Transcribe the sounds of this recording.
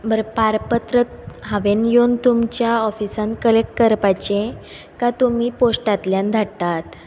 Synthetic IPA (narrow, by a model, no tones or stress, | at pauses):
bəɾpaɾpət̪ɾət̪̚ɦãʋenjont̪umt͡ɕjaɔfisãnkəlek̚ʈkəɾpat͡ɕẽ | kat̪umiːposʈat̪ljãnd̪ʱat̪at̪